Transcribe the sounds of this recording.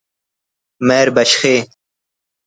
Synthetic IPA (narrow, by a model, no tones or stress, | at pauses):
meːɾbɐɕxeː